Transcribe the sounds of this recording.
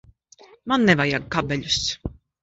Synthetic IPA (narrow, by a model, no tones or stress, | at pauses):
manːɛvajaɡ̚kabɛʎʲus